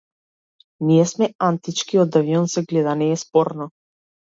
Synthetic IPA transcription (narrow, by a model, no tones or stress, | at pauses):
niɛsmɛant̪it͡ʃkiɔd̪aviɔnsɛɡlɛd̪anɛːspɔɾnɔ